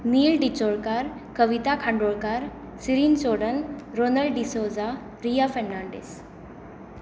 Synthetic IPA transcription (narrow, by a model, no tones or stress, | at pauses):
niːlɖit͡ɕoɭkaɾ | kəʋit̪akʰãɳɖoɭkaɾ | siɾint͡ɕoɽənɾonəɭɖɖisod͡za | ɾiafəːãɳɖḛs